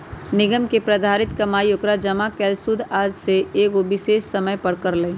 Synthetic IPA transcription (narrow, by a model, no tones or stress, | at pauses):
nɪɡəmkepɾɐd̪ʱaːɾɪt̪kɐmaːjokɾad͡ʒɐmakɛːlsud̪ʱaːd͡ʒseeːɡoʋɪʃeːʃsɐməjpɐɾkɐɾləĩ